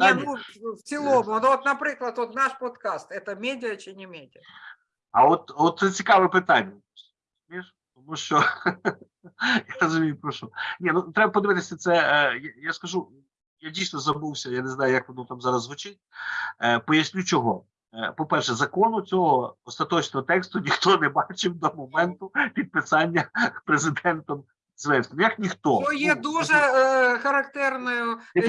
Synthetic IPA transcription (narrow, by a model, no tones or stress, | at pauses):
d̪anʲusʲɪlˠomnʋot̪nɐpɾɪklˠɐt̪ʋot̪naʂpɔt̪kast̪ɛt̪əmʲedʲɪjɐt͡ʃɪnʲɪmʲedʲɪjə | ɐɔt̪̚ɔt̪sɛt͡sʲikaʋɛpɪt̪anʲːɐ | zmʲijʂ | t̪ɔmuʃt͡ʃɔ | jaɾɐzʊmʲijʊpɾɐʃɔnʲenut̪ɾɛbɐpɔd̪ɨʋɪt̪ɪsʲɐt̪sɛjajaskɐʒu | jadʲijsnɔzɐbuwsʲɐjanezn̪ɑjʊjɐk̚pɔnut̪amzɑɾɐzʋʊt͡ʃɪt̚ʲː | pɔjɐsʲnʲut͡ʃɔɦɔ | pɔpɛrʃɛzɐkɔnʊt͡sʲɔɦɔɔst̪ɐt̪ɔt͡ʃnɔɦɔt̪ɛkst̪ʊnʲixt̪ɔnɛbɑt͡ʃɪwd̪ɔmɔmɛnt̪ʊpʲid̪̚pɪsɑnʲːɐpɾezɪd̪ɛnt̪ɔm | zʋɛsʲt̪ɔmjɐknʲixt̪ɔɔjɛd̪uʒɛxɐɾɐkt̪ɛrnɔjʊjɐ